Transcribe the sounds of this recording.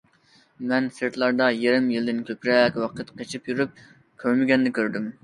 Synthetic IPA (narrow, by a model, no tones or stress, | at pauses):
mɛnsɨɾt̪ʰlˠɑɾd̪ɑjeɾɪmjɨlˠd̪ɪnkʲʰøpɾɛkʲwɑqʰət̪qʰet͡ʃʰipjyɾyp̚ | kʲʰøɾmɪɡʲɛnːɪkʲʰøɾd̪ym